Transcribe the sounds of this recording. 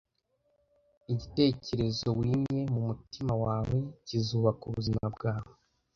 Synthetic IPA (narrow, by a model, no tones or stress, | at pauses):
iɟite̞ːce̞ɾe̞zo̞wiːmɲe̞mumutimawaːwweɟizuːβakuβuzimabɡaːwe